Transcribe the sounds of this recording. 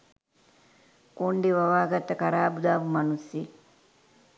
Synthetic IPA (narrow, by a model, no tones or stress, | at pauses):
koɳɖiʋɐʋaːɡɐt̪ːɐkɐɾaːbud̪aːbumɐnusːi